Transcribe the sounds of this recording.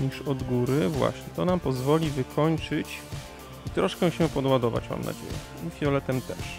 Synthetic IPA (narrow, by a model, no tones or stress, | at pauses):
ɲiʂɔd̪ɡuɾɘvwa̰ɕɲɛt̪ɔnampɔzvɔlʲivɘkʰɔɲt͡ʂɘt͡ɕ | it̪ɾɔʂkɛ̃ɕɛpɔd̪wad̪ɔva̰t͡ɕma̰mna̰d͡ʑḛjɛ̰ | ifʲjɔlɛt̪ɛmt̪ɛʂ